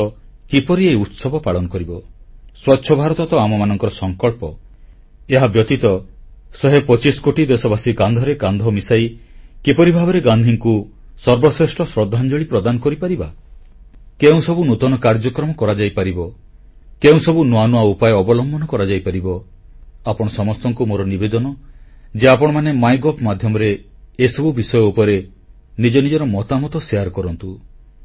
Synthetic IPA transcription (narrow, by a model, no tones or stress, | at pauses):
kipɔɾieiut̪sɔbʱɔpaɭɔnɔkɔɾibɔswɔtːʃʰɔbʱaɾɔt̪ɔt̪ɔamɔmanɔŋkɔɾɔsɔŋkɔɭpɔ | eɦabjɔt̪it̪ɔsɔɦepɔt͡ʃiskoʈid̪esɔbasiɡand̪ʱɔɾeɡãnd̪ʱɔmisajkipɔɾibʱabɔɾeɡand̪ʱiŋku | sɔɾbɔsɾesʈɔsɾɔd̪ʱːand͡ʒɔɭipɾɔd̪anɔkɔɾipaɾiba | keũsɔbunut̪ɔnɔkaɾd͡ʒɔkɾɔmɔkɔɾad͡ʒajpaɾibɔ | keũsɔbunuanuaupajɔɔbɔlɔmbʱɔnɔkɔɾad͡ʒajpaɾibɔ | apɔɽ̃ɔsɔmɔst̪ɔŋkumoɾɔnibed̪ɔnɔ | d͡ʒeapɔɽ̃ɔmanemajɡɔpʰmad̪ʱjɔmɔɾeːsɔbubisɔjɔupɔɾe | nid͡ʒɔnid͡ʒɔɾɔmɔt̪amɔt̪ɔsiaɾkɔɾɔnt̪u